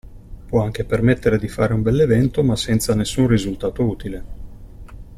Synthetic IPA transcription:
pwɔaŋk̟epermet̪ːeɾed̪ifaːɾeumbɛlːevɛnt̪omasːɛnt̪sanesːunrizult̪aːt̪ouːt̪ile

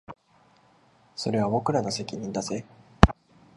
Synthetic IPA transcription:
so̞ɾe̞β̞abo̞kɯ̟ɾano̞se̞kʲiɲ̟ĩnd̪aze

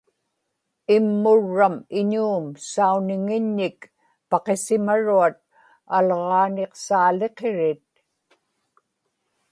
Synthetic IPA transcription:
ɪmːʊɻːamɪɲuːmsaunɪŋɪɲːɪk | pɑqe̞sɪmaɻuat̪̚ | alʁɑːneqsaːle̞qe̞ɻɪt̪̚

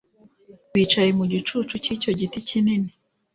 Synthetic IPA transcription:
wit͡ʃajemuɟut͡ʃut͡ʃucicoɟiticinini

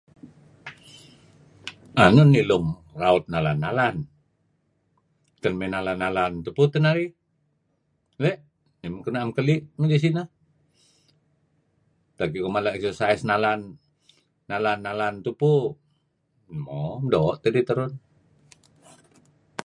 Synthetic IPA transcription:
anʊnːilʊmraut̪̚nalanːalan | t̪ənmɛnalanːalant̪uput̪ənaɾi | lɛʔ | neməŋkənaamkəliʔnuɡis̬ina | t̪akikomalaʔsosaɛsnalanː | alanːalant̪upu | mɔdɔʔt̪ədit̪əɾʊn

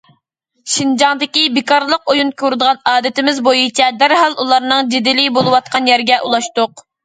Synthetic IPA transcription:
ʃind͡ʒɑŋd̪ɪkʲibɪkɑɾlˠəqojunkʲʰøɾɨd̪əʁɑnɑːd̪ɪt̪ɪmɪzbojit͡ʃʰɛd̪æɾɦɑlˠʔulˠɑɾnɨŋd͡ʒɪd̪ɪlɪbolˠɨwɑt̪̚qʰɑnjɛɾɡʲɛʔulˠɑʃt̪ʊq

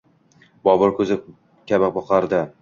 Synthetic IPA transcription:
bɒbɒɾkʰɵzɪ | kʲʰabaq̚bɒqaɾd̪ɪ

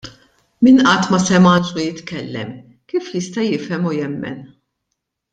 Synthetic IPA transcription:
mɪnʔɐt̪ːmɐsɛmɐnʃujɪt̪kɛlːɛ̰m | kiːfjɪst̪ɐjɪfɛmujɛmːɛ̰n

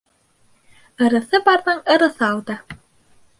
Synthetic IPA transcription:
ɤ̆ɾɤ̆θɤbɑɾðɤɴɤ̆ɾɤ̆θɤɑlˠd̪ɤ

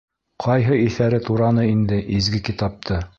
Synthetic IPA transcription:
qʰɑjɦɤiθæɾɘt̪uɾɑnɤind̪ɘʔizɡɘkit̪ɑp̚t̪ʰɤ

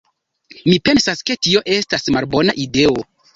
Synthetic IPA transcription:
mipe̞nsaske̞tio̞ʔe̞stasmalbo̞naʔide̞o

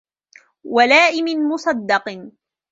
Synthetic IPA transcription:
walaːʔɪmɪnmʊsˤɑd̪ːɑq

